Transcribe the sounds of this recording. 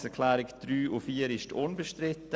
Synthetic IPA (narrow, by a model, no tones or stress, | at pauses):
sɛkʰlɛːɾɪkd̥ɾyːʔufiːɾɪʃtʰʊnbəʃtɾɪtːə